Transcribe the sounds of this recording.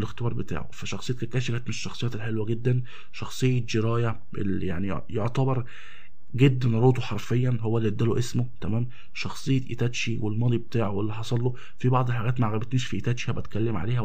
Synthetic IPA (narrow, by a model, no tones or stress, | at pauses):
lext̪ebɑːɾˤbet̪a̰ːʕo̰fæʃɑxsejːt̪kækæːʃikæːt̪meʃʃːɑxsˤejæːlħelwæɡed̪ːæn | ʃɑxsˤejːed͡ʒeɾæːjæ | ʔḛlija̰ʕnḭ | joʕt̪ɑbɑɾˤ | ɡed̪ːænɾˤoːt̪oħɑɾˤfejːænɦowːælːid̪ːæloʔesmot̪æmæːm | ʃɑxsˤejːet̪ʔḭt̪æt̪ʃiwelmɑːd̪ˤibet̪aːʕowelːiħɑsˤɑlːo | fibɑʕd̪ˤelħaɡæːt̪maʕɣæbet̪niːʃfiʔit̪æːt̪ʃihæbæt̪kælːemʕa̰leːhæ